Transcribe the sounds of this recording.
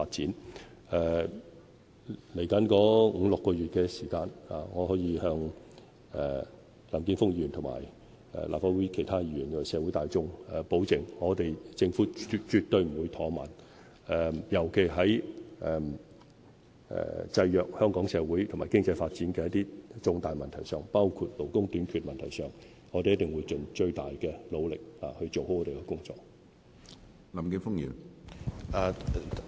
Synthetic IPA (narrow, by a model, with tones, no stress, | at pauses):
faː˧t̚t͡siː˨˥n | ɛ˨˧ | le˨˩jkɐ˨˥nkɔː˨˥ŋ̩˨˧lʊ˨kːɔː˧jyː˨˩t̚kɛː˧siː˨˩kaː˧nha̰ː˨ŋɔː˨˧hɔː˨˥jiː˧hœː˧ŋ | ɛ˨ | laː˨˩mkiː˧˥nfʊ˥ŋ̚jyː˨˩nt̪ʰʊ˨˩ŋma̰ː˨˩j | ɛ̰˨la̰ː˨p̚faː˧˥wu˨˥kʰe˨˩jt̪ʰaː˥i˨yː˨˩nɔ˨˩sɛː˨˧wu˨˥jt̪aː˨˧jt͡sʊ˥ŋɛ˨˩po˨˥wt͡sɪ˨˩ŋŋɔː˨˧t̪e˨jt͡sɪ˧ŋfuː˨˥˧t͡ʃy˨˧t̚t̪ɵ˧ɥm̩˨˩wu˨˧jt̪ʰɔː˨˥ma̰ː˨˩n | ɛ˨mjɐ˨˩wkʰe˨˩jɦɐ˨˥jɛ˨m | ɛ̰˨t͡sɐ˧jjœː˨k̚hœː˥ŋkɔː˨˥ŋsɛː˧wuː˨˥jt̪ʰmaː˨˩jkɪ˥ŋt͡sɐ˧jfaː˧t̚t͡siː˨˥nkɛː˧jɐ˥t̪iː˥t͡sʊ˧ŋt̪aː˨jmɐ˨nt̪ʰɐ˨˩jsœː˨ŋpaː˥wkʰuː˧t̚lo˨˩wkʊ˥ŋt̪yː˨˥nkʰyː˨t̚mɐ˨nt̪ʰɐ˨˩jsœː˨˩ŋ | ŋɔː˧t̪e˨jɐ˥t̪̚ɪ˨˩ŋwuː˨˧jt͡ʃɵ˨nt͡ʃɵ˧ɥt̪aː˨jkɛː˧lo˨˧wlɪ˨k̚a̰ː˨˩hɵ˧t͡so˨who˨˥wɔː˨˧te˨jkɛ˧kʊ˥ŋt͡sɔː˧k̚ | lɐ˨mkɪ˨˧˥fʊ˥ŋjy̰ː˨˩n | aː˨˩˨